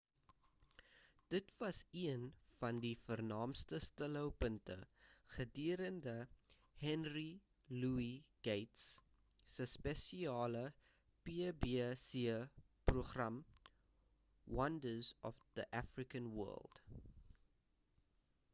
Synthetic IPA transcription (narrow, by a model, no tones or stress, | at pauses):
d̥ətvɐsiənfɐndifərnɑːmstəstələwpəntə̰χədiəɾəndə | hɛnri | luiɡ̥ejts | səspɛsiɑːlə | pibisiə | pruχrɐm | wɐndəzɔfðəʔæfrikənwɜ̰ːlˠd̥